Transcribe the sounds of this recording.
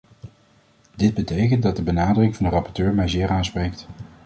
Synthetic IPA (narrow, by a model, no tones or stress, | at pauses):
dɪd̚bətejkəndɑt̚dəbənaːdərɪŋvɑndərɑpɔɹtøːɹmɛjzɪːɾaːnsprejk̚t